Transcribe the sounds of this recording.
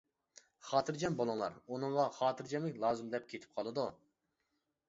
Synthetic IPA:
χɑːt̪ʰɨɾd͡ʒɛmbolˠɨŋlˠɑ̰ɾunɨŋʁɑχɑːt̪ʰɨɾd͡ʒɛmɪkʲlˠɑːzɨmd̪ɛp̚kʲʰet̪ʰɪ̥p̚qʰɑlˠɨd̪u

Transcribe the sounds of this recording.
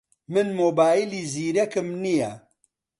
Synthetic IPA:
mɨnmoːbaːjiliːziːɾɛkɨmnijɛ

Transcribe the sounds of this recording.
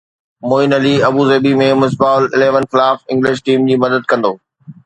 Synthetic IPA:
moːɪnɐliɐbuːzɐːbimẽmʊs̬baːʊlɪ̰leːʋənxɪlaːfɪ̃ŋɡlɪʃ̬ʈiːmd͡ʑiːmɐd̪əd̪̚kɐ̃nd̪oː

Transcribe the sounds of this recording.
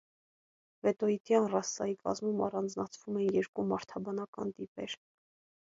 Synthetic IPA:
vɛt̪ɔit̪jɑnrɑsːɑikɑ̰zmumɑ̰rɑnd͡znɑt͡sʰvumɛnjɛɾkumɑɾt̪ʰɑbɑnɑkɑ̰nd̪ipɛ̰ɾ

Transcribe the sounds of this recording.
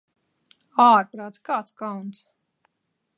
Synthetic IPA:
aːɾpɾaːt̪skaːt̪skawnt̪s

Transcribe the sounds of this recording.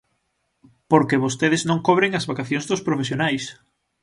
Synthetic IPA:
poɾkeβost̪eðɪznõŋkoβɾeŋɐzβakaθjoŋzðʊspɾofesjonajs

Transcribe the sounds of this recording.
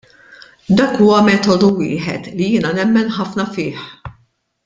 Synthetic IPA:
d̪ɐːkːuːwɐmɛːt̪ɔd̪uwɪ̰ːħɛ̰t̪lijɪːnɐnɛmːɛnħɐfnɐfɪːħ

